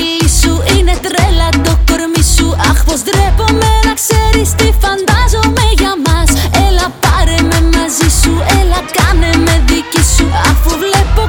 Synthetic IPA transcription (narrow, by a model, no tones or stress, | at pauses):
isuine̞t̪ɾelɐt̪okoɾmisuɐxfozd̪ɾepo̞me̞nɐkseɾist̪ifɐnd̪ɐzo̞meʝɐmɐselɐpɐɾeme̞mɐzisuelɐkɐneme̞ðicisuɐfuvlepo